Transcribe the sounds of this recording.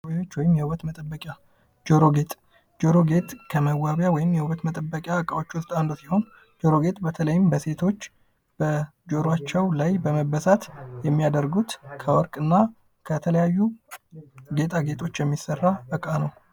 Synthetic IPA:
ot͡ʃːwɔjɪmjɛhubət̪mət̪ʼəbːəkʼja | d͡ʒoɾo̞ɡe̞t̪ʼ | d͡ʒo̞ɾo̞ɡe̞t̪ʼkʰəməwːaβjawɔjɪmjɛhuβət̪mət̪ʼəbːəkʼjaɨkʼawot͡ʃːwʊst̪ʼand̪usi̥ho̞n | d͡ʒoɾo̞ɡe̞t̪ʼbət̪ʰələjɪmbəse̞t̪ʰo̞t͡ʃː | b̥ə | d͡ʒo̞ɾoat͡ʃːɛwlajbəməbəsat̪jɛmːijad̪əɾɡut̪kʰəwɔɾkʼɨnːa | kʰət̪ʰələjajːu | ɡe̞t̪ʰʼaɡe̞t̪ʼʰo̞t͡ʃːjɛmːisərːaɨkʼanəw

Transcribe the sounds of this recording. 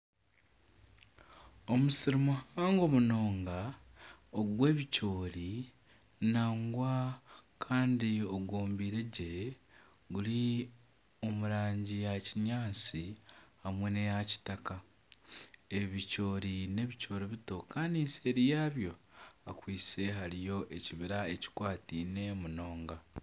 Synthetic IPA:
o̞musiɾimuhaːŋɡo̞muno̞ːŋɡa | oɡwe̞ːβico̞ːɾi | naːŋɡwakʰaːndio̞ɡo̞ːmbiːɾe̞ɟe̞ | ɡuli | o̞muɾaːɲɟijaciɲaːt͡sihamwe̞ne̞jaci̥taka | e̞βico̞ːɾine̞βico̞ːɾiβito̞kaːndinse̞ːɾijaːβjo̞akwiːse̞ɦalijo̞ʔe̞ciβiɾae̞ci̥kwaːtiːne̞muno̞ːŋɡa

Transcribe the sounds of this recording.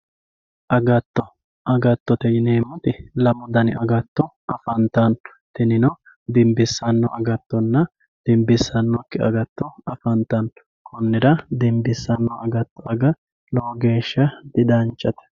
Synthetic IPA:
ʔɐɡɐt̪ːɔ | ɐɡɐt̪ːɔt̪ɛjɪneːmːɔt̪ɪlɐmɔd̪ɐnɪ̰ʔɐɡɐt̪ːɔʔɐfɐnt̪ɐn | t̪ɪnɪnɔ | d̪ɪmbɪsːɐnːɔʔɐɡɐt̪ːɔnːɐ | d̪̥ɪmbɪsːɐnːɔkːɪɐ̰ɡɐt̪ːɔɐfɐnt̪ːɐn | kʰɔnːɪd̪ɐd̪ɪmbɪsːɐnːɔʔɐɡɐt̪ːɔɐɡɐ | lɔwɡe̞ːʃːɐd̪̥ɪd̪ɐnt͡ʃʼːɐt̪ɛ̥

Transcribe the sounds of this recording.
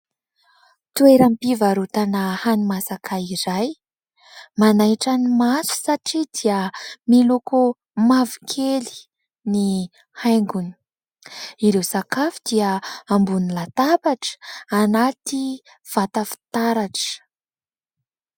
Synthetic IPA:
t̪ueɾampivaɾut̪anəhanimasakʰaiɾaj | manajʈ͡ʂanimasu̥saʈ͡ʂid̪iəmiluku | mavikʰeli̥ | ni | hajŋɡuni̥ | iɾewsakafi̥d̪iəambunilat̪abaʈ͡ʂə̥anat̪i | v̥at̪afi̥t̪aɾaʈ͡ʂə̥

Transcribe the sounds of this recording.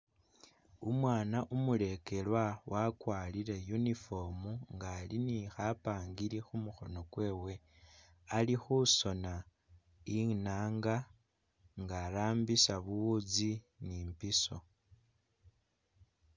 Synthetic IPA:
umwaːnaʔumule̞ke̞lwawakwaːliɾe̞junifo̞muŋɡaːlinixapaːŋɡiɾixumuxo̞̰no̞kwe̞ːwe̞ | alixuso̞na | inaːŋɡa | ŋɡalaːmbisaβuwud͡zi | niːmpiso̞

